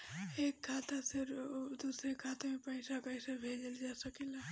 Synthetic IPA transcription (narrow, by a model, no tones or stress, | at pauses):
eːkːʰaːt̪asɪɾd̪uːsɾekʰaːt̪emepəɪsakaɪsabʱeːd͡ʒəld͡ʒaːsəkela